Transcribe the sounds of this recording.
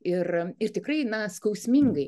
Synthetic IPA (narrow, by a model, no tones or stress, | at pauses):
ɪrɪrt̪ʲɪkrɐɪnɐskɐʊsʲmʲiŋɡɐɪ